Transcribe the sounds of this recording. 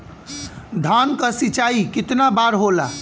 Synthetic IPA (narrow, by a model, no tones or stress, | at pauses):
d̪ʱankəsit͡ʃaikɪt̪nabaɾɦola̰